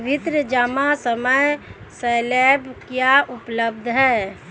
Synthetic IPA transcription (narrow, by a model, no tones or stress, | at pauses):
bɪt̪ɾəd͡ʒaːmasəməj | seːlebkjaʔʊpləbd̪ʱɦɛː